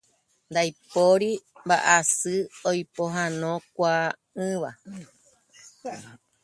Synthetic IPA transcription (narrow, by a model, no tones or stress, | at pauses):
nd̪ajpoɾimbaʔasɨojpoɦãnõ̞kʷa | ɨ̃ʋa